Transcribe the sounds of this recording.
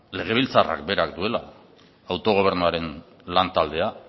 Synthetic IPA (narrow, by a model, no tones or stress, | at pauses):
le̞ɣ̞e̞β̞ilt͡sara̰kbe̞ɾakd̪ue̞la̰ | awt̪o̞ɣ̞o̞β̞e̞ɾnuaɾe̞n | lant̪ald̪e̞a